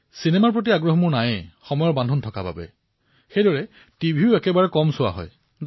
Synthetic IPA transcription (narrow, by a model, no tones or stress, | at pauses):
sinɛmaɹpɹot̬iaɡɹɔɦɔmʊɹnajxɔmɔjɔɹbandʱɔntʰɔkaba̰bɛ̰ | xejdɔɹɛ | tibʱiʊɛkɛbaɹɛkɔmsʊwa̰ɦɔ̰j